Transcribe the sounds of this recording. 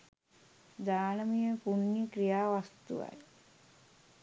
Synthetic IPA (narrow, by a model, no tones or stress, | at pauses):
d̪aːnəmijəpunːikɾijaːʋast̪ṵʋa̰j